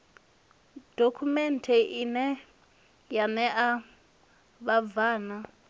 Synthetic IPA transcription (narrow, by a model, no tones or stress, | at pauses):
d̥okʰumɛntʰɛʔinɛ | janɛʔa | βavaːna